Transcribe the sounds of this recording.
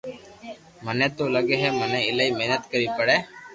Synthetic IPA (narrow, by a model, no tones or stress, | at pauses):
mənẽːt̪oːləɡeːɦeːmənẽːɪləiːmeɦnət̪kəɾiːpəɽeː